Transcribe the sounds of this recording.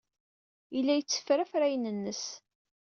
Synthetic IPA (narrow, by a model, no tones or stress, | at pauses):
ilːæjət͡sːə̥fɾafɾæjənənːəs